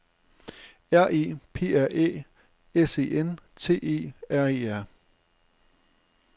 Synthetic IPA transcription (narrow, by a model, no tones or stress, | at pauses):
æɐ̰ʔḛːpʰe̝̰ːæɐ̰ʔḛː | ese̝̰ːent͡sʰe̝̰ːe̝̰ːæɐ̰e̝ːæɐ̰